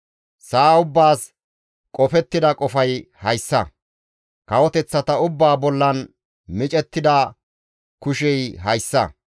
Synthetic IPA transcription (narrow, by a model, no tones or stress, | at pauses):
saːʊbːaːs | kʼɔfɛt̪ːɪd̪ɐkʼɔfɐjhɐjsːɐ̰ | kɐwɔt̪ɛt͡sːɐt̪ɐʊbːaːbɔlːɐn | mɪt͡ʃʼɛt̪ːɪd̪ɐ | kʊʃɛjɦɐjsːɐ